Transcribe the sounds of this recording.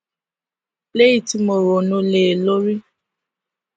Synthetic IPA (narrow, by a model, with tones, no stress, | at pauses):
le˦ji˨ti˧mo˨ɾo˨nũ˧le˨lo˦ɾi˦